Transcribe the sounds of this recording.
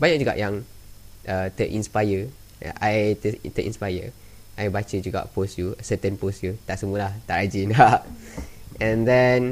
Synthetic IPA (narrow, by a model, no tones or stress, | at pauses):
baɲaʔd͡ʒuɡa̰ʔjãŋ | ʔət̪əʔĩnspajə̰ | ʔajt̪ət̪əʔḭ̃nspajə | ʔajbat͡ʃəd͡ʒuɡa̰ʔposjusət̪ə̃nposjut̪aʔsəmuəlaht̪aʔad͡ʒinaʔ | ʔɛ̃nd̪ɛn